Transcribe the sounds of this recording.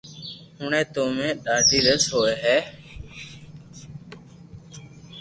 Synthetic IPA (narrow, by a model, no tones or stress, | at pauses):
hʊɳẽːt̪oːmẽːɗaːɖʱiːɾəsɦoːeːɦɛː